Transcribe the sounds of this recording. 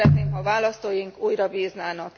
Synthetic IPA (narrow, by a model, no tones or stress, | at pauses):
ɛt̪̚neːmɦɒvaːlɒst̪oːjiŋkuːjɾɒviːznaːnɒk